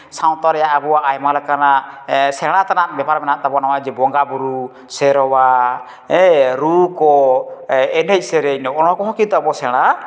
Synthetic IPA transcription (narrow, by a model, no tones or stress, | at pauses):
saw̃t̪ɔɾɛjaʔabɔwaʔːjmalɛkanaʔsɛɽ̃at̪anaʔbɛpaɾmɛnaʔt̪abɔnawad͡ʒɛbɔŋɡabuɾu | sɛɾɔwa | ɛɾukɔ | ɛnɛc̚sɛɾɛinɔʔɔñɔakɔɦɔ̃kit̪ɔabɔsɛɽ̃a